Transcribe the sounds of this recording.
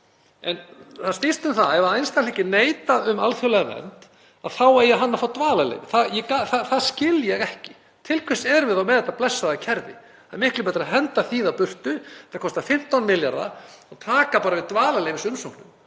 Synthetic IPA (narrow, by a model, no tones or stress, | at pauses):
ɛnθaðst̪ist̪ʏmθaðɛvaðejnst̪anɛcːɪneːjt̪aʏmalfjɔwlɛɣamɛ̰nt̪ | aðθawaðjɛɦanːafawt̪vaːlalḛjvɪθajɛkaθaθaðscɪljɛɣɛhcɪ̥ | t̪ʰɪlkʰvɛsɛɾʏvɪðawmɛðɛt̪ːaplɛsːaðacʰɛɾðɪ̰ | amɪhklʏpɛːt̪ɾaɦɛnt̪aθiːðawpʏr̥t̪ʏt̪ːḁkʰɔst̪afɪm̥t̪awnmɪlja̰ɾða̰ɔt̪ʰaːkapaːɾavɪðt̪vaːlaleːjvɪsʏmsowknʏm